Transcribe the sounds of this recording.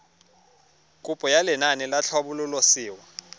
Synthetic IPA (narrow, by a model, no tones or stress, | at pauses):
kʼupʼɔjalɛnanilat͡ɬʰɔɓululɔsiːwa